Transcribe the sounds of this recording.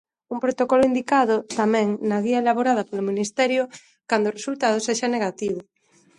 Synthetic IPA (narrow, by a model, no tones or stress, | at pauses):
umpɾot̪okɔlʊind̪ikaðʊt̪amɛ̃ŋnaɣiɐelaβoɾað̞ɐpolominist̪ɛɾjʊ | kand̪oʊːresult̪að̞ʊseʃaneɣat̪iβʊ